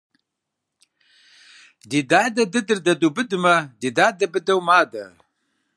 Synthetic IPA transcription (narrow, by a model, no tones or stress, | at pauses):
d̪id̪aːd̪ɐd̪ɨd̪ɨɾd̪ɐd̪ubɨd̪umɐd̪id̪aːd̪ɐbəd̪ɐwmaːd̪ɐ